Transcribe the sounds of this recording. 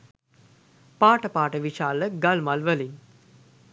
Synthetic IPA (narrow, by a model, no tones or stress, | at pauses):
paːʈəpaːʈəʋiʃaːləɡalmalʋəliŋ